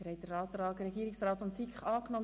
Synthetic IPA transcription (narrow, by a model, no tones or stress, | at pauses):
ɾhɛjdəɾɑːt̪ɾɑːɡɾɛɡiːɪksrɑːtʊntsikχɑːknɔm